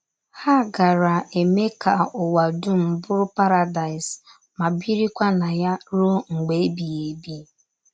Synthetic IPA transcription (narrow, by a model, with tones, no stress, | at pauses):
ha˦˨ɡa˨ɾa˨e˨me˦ka˨ʊ˨wa˨dʊ˦m̩˨bʊ˦ɾʊ˦pa˦ɾa˨da˨ɪ˨s | ma˨bi˦ɾi˦kʷa˦na˨ja˦ɾo˦ŋ̩˨ɡ͡be˨e˦bi˨e˨bi˦